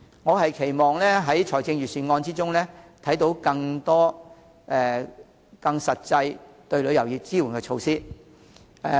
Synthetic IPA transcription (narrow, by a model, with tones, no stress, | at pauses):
ŋɔː˨˧ɦɐ˨jkʰe˨˩jmɔː˨ŋlɛː˥ɦɐ˨˥jt͡ʃʰɔː˨˩jt͡sɪ˧ŋɥyː˨syː˨˩nŋɔː˧nt͡siː˥t͡sʊ˥ŋlɛː˥t̪ʰɐ˨˥jt̪o˨˥wkɐ˧ŋt̪ɔː˥ | ʔɛ˧ | kɐ˧ŋsɐ˨t̚t͡sɐ˧jt̪ɵ˧ɥlɵ˨˧jɐ˨˩wjiː˨˩t͡siː˥wu˨˩nkɛː˧t͡ʃʰo˧wsiː˥˧